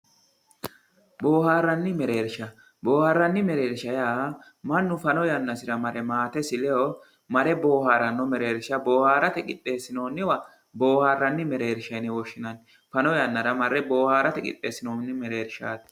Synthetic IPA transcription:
boːhaːrːɐnːɪmɛɾe̞ːɾʃɐ | bo̞ːhaːrːɐnːɪmɛɾe̞ːɾʃɐjaː | mɐnːʊfɐnɔjɐnːɐsɪɾɐmɐɾɛmaːt̪ɛsɪlɛɔ | mɐɾɛbo̞ːhaːɾɐnːɔmɛɾe̞ːɾʃɐbo̞ːhaːɾɐt̪ɛkʼɪtʼːe̞ːsːɪno̞ːnːɪwɐ | bo̞ːhaːrːɐnːɪmɛɾe̞ːɾʃɐjnɪwɔʃːɪnɐn | fɐnɔjɐnːɐɾɐmɐɾːɛbo̞ːhaːɾɐt̪ɛkʼɪ̰t̪ʼːeːsːɪnoːnːɪmɛɾe̞ːɾʃa̰ːt̪

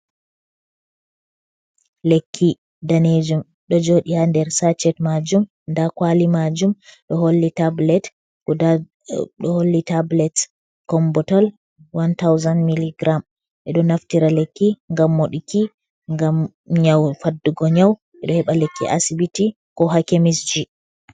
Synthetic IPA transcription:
lekʰːi | daned͡ʒum | ɗɔd͡ʒoɗihandɛɾsat͡ʃɛtmad͡ʒum | ndakwalimad͡ʒumɗɔholːitablɛt | a | ɗɔholːitablɛt | kɔmbɔtal | wantawzanmiliɡɾam | ʔɛɗɔnaftiɾalekːiŋɡamːoɗiki | ŋɡam | ɲawfadːuɡɔɲaw | ʔɛɗɔhɛɓalekːḭʔa̰sibiti | kɔɦakemisd͡ʒi

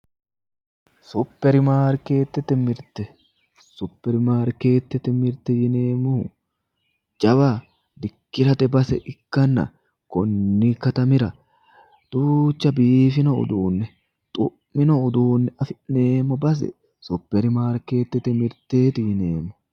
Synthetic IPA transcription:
sʊpːɛɾɪmaːɾke̞ːt̪ːɛt̪ːɛmɪɾt̪ɛ | sʊpːɛɾɪmaːɾke̞ːt̪ːɛt̪ːɛmɪɾt̪ɛjɪneːmːʊ | d͡ʒʼɐba | d̪ɪkːɪɾɐt̪ɛbɐsɛʔɪkːɐnːɐ̰ | kɔnːɪkɐt̪ɐmɪɾɐ | d̪̥uːt͡ʃːɐbiːfɪnɔʊ̰d̪uːnːɛ | t̪ʼʊʔmɪnɔʊd̪uːnːɛɐfɪneːmːɔbɐs̬ɛ̰ | sʊpːɛɾɪmaːɾke̞ːt̪ːɛt̪ːɛmɪɾt̪eːt̪ɪjɪneːmːʊ̥

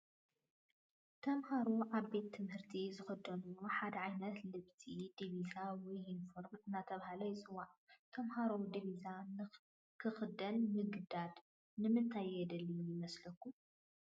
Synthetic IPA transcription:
t̪ʰɐmhaɾuʔaβbe̞t̪ʰːɨmhɨɾt̪ʰizɨxɐd̪ɐnuoħad̪ɐʕajnɐt̪lɨβt̪ʰid̪iβizawɔjinfoɾbɨnːat̪ʰɐβahalɐjɪt͡sʼɨwaʕt̪ʰɐmhaɾɐwd̪iβizan | kʰɨxɨd̪ɐlmɨɡd̪ad̪ | nɨmɨnt̪ʰajɛd̪ɐlːijɪmɐslɐkʰːu

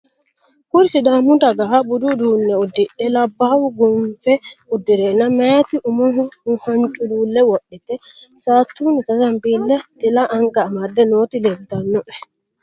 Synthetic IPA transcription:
kuɾsiɗamutaɡaɦabududunːɛudiɗːɛlabːawuɡɔnfɛudiɾɛnamatiʔumɔɦɔmuhaɲt͡ʃʼululɛwoɗːitɛsatunitatambildɛtilaʔaŋkaːmadːɛnotilɛntanːɔʔɛ

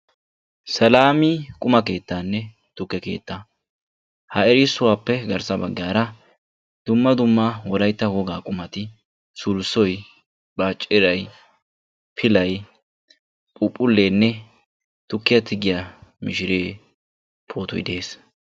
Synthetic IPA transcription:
sɐlaːmɪkʼʊmɐke̞ːt̪ːaːnːɛ | t̪ʊkːɛke̞̰ːt̪ːa | hɐɛɾɪsːʊwaːpːɛɡɐɾsɐbɐɡːjaːɾɐ | d̪̥ʊmːɐd̪ʊmːɐwɔɾɐjt̪ːɐwɔɡaːkʼʊmɐt̪ɪ | sʊlsɔj | b̥aːt͡ʃʼːɪɾɐj | pʰɪlɐj | pʼʊpʼːʊlːe̞ːnːɛ | t̪ʊkːɪjɐt̪ʰɪɡɪjamɪʃɪɾeː | pʰoːt̪ɔjd̪e̞ːs

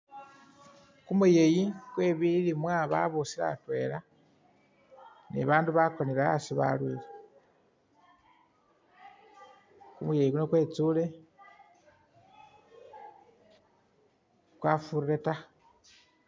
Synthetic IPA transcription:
kumuje̞jikwe̞ːβilimwaβa̰βusiɾa̰twe̞la | nḭβaːnduβakoniɾaa̰siβa̰lwiːle | kumujejikunokwe̞t͡sule̞ | kwafuɾɾeta

